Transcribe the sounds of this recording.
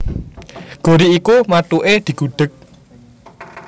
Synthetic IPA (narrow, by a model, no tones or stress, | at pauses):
ɡ̥o̤ɾiikumat̪uʔed̪̥i̤ɡ̥ṳɖ̪̥ə̤k̚